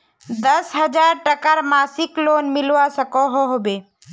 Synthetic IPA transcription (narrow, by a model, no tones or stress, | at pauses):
d̪əsɦəd͡ʒaːɾʈəkəɾmaːsɪkloːnmɪlʋasəkoɦoɦobeː